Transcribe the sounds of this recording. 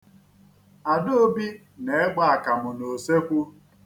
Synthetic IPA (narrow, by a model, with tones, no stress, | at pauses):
a˨do˦o˦bi˦ | ne˨e˦ɡ͡ba˦˨a˨ka˨mʊ˨no˨se˦kʷu˦